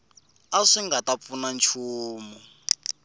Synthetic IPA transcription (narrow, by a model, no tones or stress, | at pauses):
aʂiŋɡatap̪funant͡ʃʰuːmu